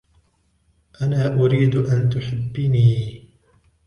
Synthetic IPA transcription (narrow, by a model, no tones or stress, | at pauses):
ʔanaːʔʊɾiːd̪ʔant̪ʊħɪbːɪniː